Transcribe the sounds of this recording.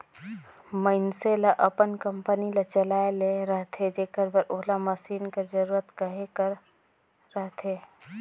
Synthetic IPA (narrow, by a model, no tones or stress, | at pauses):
məɪnselaʔəpənkəmpənilət͡ʃəlaːeleɾəɦt̪ʰed͡ʒeːkəɾbəɾʔoɦlaməsiːnked͡ʒəɾuːɾət̪kəɦekəɾː | əɦt̪ʰeː